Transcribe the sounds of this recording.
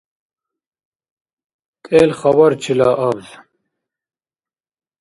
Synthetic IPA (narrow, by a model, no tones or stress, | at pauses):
kʼeːlχɐwɐɾt͡ʃʰilaːʔɐbz